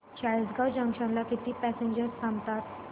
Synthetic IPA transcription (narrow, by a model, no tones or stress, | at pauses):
t͡ɕajisɡawd͡ʑãŋɕãnlakit̪iːpæsẽɲd͡ʑəɾst̪ʰãmt̪at̪